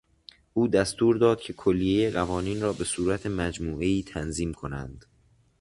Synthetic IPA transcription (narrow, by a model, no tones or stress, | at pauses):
ʔuːd̪æst̪uːɾd̪ɒːd̪̥̚cʰe̞kʰolːije̞jeɢævɒːniːnrɒːbe̞suːɾæt̪ʰe̞mæd͡ʒmuːʔe̞iːt̪ʰænziːmkʰo̞næ̰nd̪̥